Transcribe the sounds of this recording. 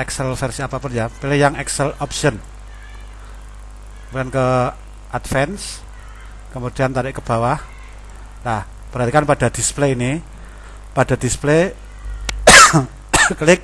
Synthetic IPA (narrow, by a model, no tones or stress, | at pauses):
ɛksɛlfɛrsiapapʊnjapilɪhjaŋɛksɛlɔpsiɔn | kmuankə | ʔadfɛns | kəmud̪̥i̤ant̪aɾɪʔkəb̥a̤wah | lah | b̥əɾɦat̪ikanpad̥a̤d̪̥ispleini | pad̥a̤d̥̪isple | klɪk̚